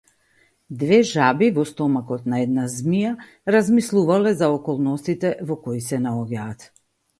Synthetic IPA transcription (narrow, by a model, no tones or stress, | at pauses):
d̪vɛʒabivɔst̪ɔmakɔt̪naɛd̪̚nazmija | ɾazmislˠuvalɛzaɔkɔlˠnɔst̪it̪ɛvɔkɔisɛnaɔɟaːt̪